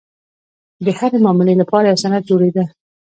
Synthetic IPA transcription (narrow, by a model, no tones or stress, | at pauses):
d̪əhaɾemɑmɪlelapɑɾajawsanat̪̚d͡ʒoɽed̪a